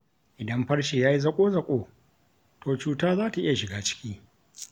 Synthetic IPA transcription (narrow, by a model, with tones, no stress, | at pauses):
ʔɪ˨dɐ˦mɸɐ˦rʃe˨jaː˦ji˦zɐ˦kʷʼoː˦zɐ˨kʷʼoː˨ | tʰoː˨t͡ʃuː˨taː˦zaː˦ta˨ʔɪ˦ja˨ʃɪ˨ɡaː˦t͡ʃɪ̥˦kʲiː˦